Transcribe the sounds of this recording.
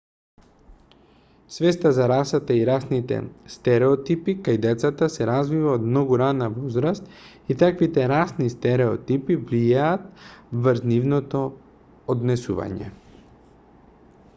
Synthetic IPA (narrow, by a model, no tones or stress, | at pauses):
svɛst̪azaɾasat̪aiɾasnit̪ɛ̰st̪ɛɾɛɔt̪ipikajd̪ɛt̪sat̪asɛɾazvivaod̪̚mnɔɡuɾanavɔzɾast̪ | it̪akvit̪ɛɾasnist̪ɛɾɛɔ̰t̪ipivlijaːt̪̚vvəɾznivnɔt̪ɔ | od̪nɛsuva̰ɲɛ̰